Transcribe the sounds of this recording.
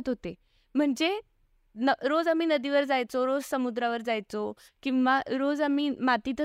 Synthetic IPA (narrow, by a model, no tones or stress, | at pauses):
t̪ɦot̪e | m̤əɳd͡ze | nəɾod͡zamiːnəd̪iːʋəɾd͡zajt͡soɾod͡zsəmud̪ɾaʋəɾd͡zajt͡so | kĩw̃ʋaɾod͡zamiːmat̪iːt̪